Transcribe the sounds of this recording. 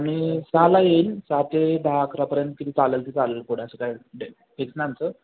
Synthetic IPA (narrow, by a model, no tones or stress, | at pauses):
aɽ̃isalajensat̪ed̪ʱakɾapəɾjənt̪̚kit̪ʰit͡saləlt̪it͡saləlpoɽ̤aasəkajɖe | peksnant͡sə